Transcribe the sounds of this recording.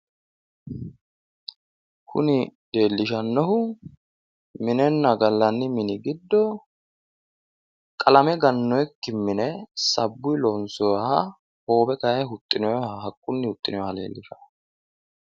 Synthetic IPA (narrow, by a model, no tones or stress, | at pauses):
kʰʊ̰nɪd̪e̞ːlːɪʃɐnːɔɦʊ | mɪnɛnːɐɡɐlːɐnːɪmɪnɪɡɪd̪ːɔ | kʼɐlɐmɛɡɐnːɔjkːɪmːɪnɛsɐbːʊjlɔnsɔwɐhɐ | ho̞ːbɛkɐjɛɦʊt̪ʼːɪnɔhɐɦɐkʼːʊnːɪhʊt̪ʼːɪnɔjhɐlḛːlːɪʃɐ̥